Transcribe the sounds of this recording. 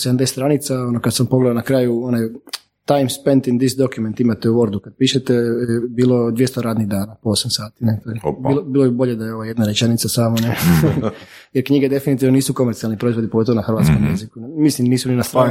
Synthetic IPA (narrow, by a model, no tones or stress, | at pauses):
sed̪amd̪est̪ɾanit̪sao̞nokad̪sampo̞ɡled̪anakɾaːjuonaj | t̪ajmspent̪ind̪isd̪okjument̪imat̪euʋo̞ɾd̪ukad̪̚piːʃet̪ejebiːlo̞d̪ʋijest̪oɾaːd̪niɣd̪aːnapoosamsaːt̪inet̪obiːlobiːlˠobibo̞ʎed̪ajeo̞ʋajed̪naɾet͡ʃenit̪sasaːmone | jeɾkɲiɡed̪efinit̪iːʋnoniːsuko̞meɾt̪ialˠnipɾo̞izʋo̞d̪ipoɡot̪o̞ʋonaxrʋat̪skomjḛzikunmislimniːsuninast̪ɾa